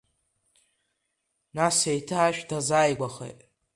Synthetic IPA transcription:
nasejtʰɨaʃᶣdazaːjɡʷaχḛtʼ

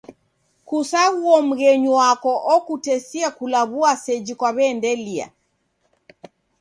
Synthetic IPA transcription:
kusaɣuɔm̩ɣɛɲuwakɔʔɔkutɛsiakulaβuasɛd͡ʒikwaβɛːndɛlia̰

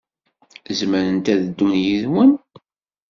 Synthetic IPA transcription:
zməɾənt̪æðəd̪ːunjiðwən

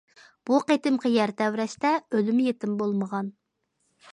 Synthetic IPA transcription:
b̥uqet̪ɪmqʰəjɛɾt̪ʰɛwɾɛʃt̪ɛølymjet̪ɪmbolˠməʁɑn

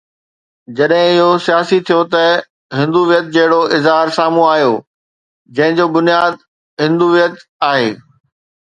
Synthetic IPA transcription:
d͡ʑɐɗɦɪ̃ɪɦosijaːsit̪ʰijot̪ɐ | ɦɪ̃nd̪uʋijət̪̚d͡ʑɐɦɪɽoʔɪzɦaːɾsaːmũaːɦijo | d͡ʑɐ̃ɦɪ̃d͡ʑoːbʊnijaːd̪ | ɦɪ̃nd̪uʋijət̪aːɦeː

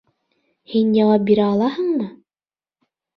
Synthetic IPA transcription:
hinjɑwɑp̚biɾæɑlˠɑhɤ̆ɴmɤ

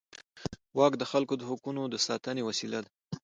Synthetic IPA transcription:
wɑkd̪əxalkod̪əɦʊkunod̪əsɑt̪ənewasilad̪a

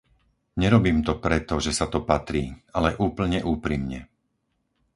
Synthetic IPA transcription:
ɲɛɾɔbiːmt̪ɔpɾɛt̪ɔʒɛsat̪ɔpat̪ɾiːalɛʔuːpl̩ɲɛʔuːpɾimɲɛ̰

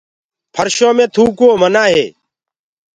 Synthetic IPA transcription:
pʰəɾʃõːmẽːt̪ʰuːkoːmənaːɦḛː

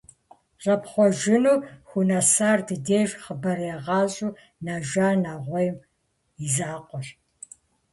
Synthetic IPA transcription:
ɕʼɐpχʷɔʒɪnuːxʷunasaːrdɨdeːʒχəbɐɾjɛʁɑːɕʼuː | naːʒaːnaːʁʷɔjm | izaːqʷɔɕ

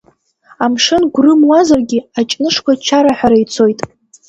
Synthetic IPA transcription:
amʂɨnɡʷrɨmwazarɡʲɪat͡ʃʼnɨʂkʷat͡ʃʰaɾaħʷᶣaɾajt͡sʰo̞jtʼ

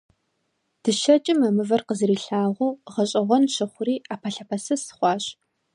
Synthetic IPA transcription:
d̥ɨʃɐt͡ʃʼɪmɐmɨvɐrqəzɨriːɬaːʁʷuːʁɐɕʼɐʁʷɔnʃɐχʷʊɾiːaːpʰɐɬɐpʰɐsɨsɨ̥χʷɑːɕ

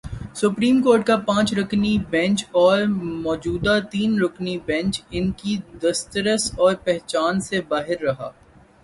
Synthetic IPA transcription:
sʊpɾiːmkoːɾʈ̚kapãːt͡ʃɾʊknibɛ̃nt͡ʃɔːɾmɔːd͡ʒuːd̪at̪iːnɾʊknibɛ̃nt͡ʃɪnkid̪ɐst̪əɾəsɔːɾpɛɦt͡ʃaːnsebaːɦɪɾːɐɦa̰ː

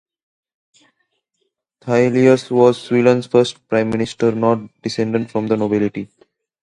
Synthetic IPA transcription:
t̪ʰaɪliəsʋɔːzswiːlə̃nsfəɾsʈ̚pɾãɪ̃mːɪnɪsʈəɾnɔːʈ̚ɖɪsẽɳɖə̃ɳʈfɾɔ̃md̪ənobɪlɪʈi

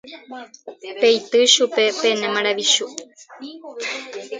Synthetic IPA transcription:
pejt̪ɨʃupe̞penẽmãɾaʋiʃu

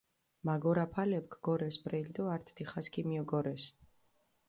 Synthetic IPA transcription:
maɡɔɾapʰalɛp̚kʰɡ̥ɔɾɛsbʼɾɛild̪ɔaɾt̪ʰd̪̥iχaskʼimiɔɡɔɾɛs

